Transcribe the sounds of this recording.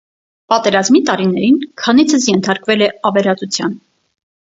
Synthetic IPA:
pɑt̪ɛɾɑzmit̪ɑɾinɛɾinkʰɑnit͡sʰəsjɛnt̪ʰɑɾkvɛlɛɑvɛɾɑt͡sut͡sʰjɑ̰n

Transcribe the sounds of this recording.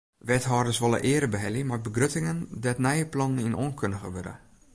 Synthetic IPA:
ʋɛtɦɔːrdəsʋolˠə̰ʔɪəɾəbəɦɛlˠjəmarbəɡrøtɪŋəndɛtnɛjəplɔnninʔonkʰøndəɣəʋødə̰

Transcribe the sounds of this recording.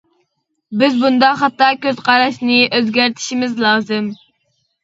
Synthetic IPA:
bɪzbund̪ɑχɑt̪ːɑkʲøzqʰɑɾɑʃnɪʔøzɡʲæɾt̪ʰɪ̥ʃimɪzlˠɑːzɨm

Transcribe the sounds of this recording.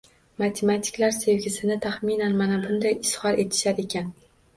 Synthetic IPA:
mat̪ʰe̞mat̪ʰɪ̥klaɾse̞vɡʲɪsɪnɪt̪ʰaχminanmanabʊnd̪ajɪshɒɾe̞t̪ʰɪ̥ʃaɾe̞kʲʰan

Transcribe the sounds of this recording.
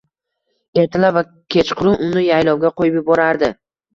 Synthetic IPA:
e̞ɾt̪ʰɪlava | kʲʰe̞t͡ʃqʰʊɾʊnʊnɪjajlɒwɡʲaqʰojɪbɪbɒɾaɾd̪ɪ

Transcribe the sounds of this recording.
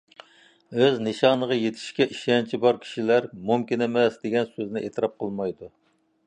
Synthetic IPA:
øzneʃɑnəʁɑjet̪ʰɪ̥ʃkʲɛʔiʃɛnt͡ʃʰibɑɾkʲʰi̥ʃilæɾmumkʲinemɛsd̪eɡʲɛnsøznɪʔet̪ʰɨɾɑp̚qʰəlˠmɑjd̪u

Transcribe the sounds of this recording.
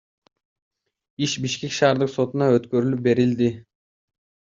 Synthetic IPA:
iʃbiʃkʲe̞kʃɑːɾd̪ɯqso̞t̪unɑøt̪kø̞ɾylyp̚be̞ɾild̪i

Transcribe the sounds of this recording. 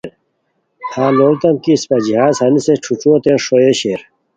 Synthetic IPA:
ɾ | hãːloːlt̪ɐmkispɐd͡ʑiɦaːzhɐniseʈ͡ʂʰuʈ͡ʂoːt̪enʂoeɕeːɾ

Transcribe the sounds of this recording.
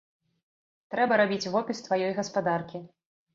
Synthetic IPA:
t̪ɾɛbɐɾabʲit͡sʲvɔpʲist̪vajɔjɣɐspad̪arkʲi

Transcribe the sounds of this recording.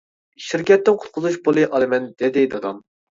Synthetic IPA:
ʃiɾkʲʰɛt̪ːɪnqʰʊ̥t̪̚qʰʊzuʃbolˠɨʔɑlˠɨmɛnd̪ɪd̪ɪd̪ɑd̪ɑm

